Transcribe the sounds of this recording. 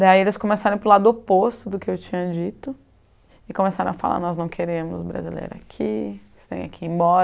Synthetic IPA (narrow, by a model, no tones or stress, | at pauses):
d̪aielɪskõmesaɾɐ̃pɾʊlad̪ʊopost̪ʊd̪ʊkɪewt͡ʃĩɲɐd͡ʒit̪ʊ | ɪkõmesaɾɐ̃w̃afa̰la̰ɾnɔznɐ̃w̃kʰeɾẽmʊzbɾa̰zḭlḛjɾa̰kʰi | st̪ḛ̃j̃akʰiẽbɔɾɐ